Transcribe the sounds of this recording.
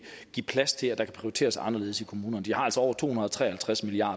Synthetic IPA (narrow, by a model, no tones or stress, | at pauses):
ipʰlæst͡sʰe̝læd̥ɑ̈kʰæ̥pʰʁ̥ioit͡sʰe̝̰ːɐsɑ̈nɐle̝ð̞ˠsikʰo̝muːnɐnəd̥ihɑ̈ælsɒ̽ɒ̰ʊ̰ɐt͡sʰo̝̰ːhunɐð̩ˠɒt͡sʁɛ̰ːhælt͡sʰʁasmiliɑ̰̈ː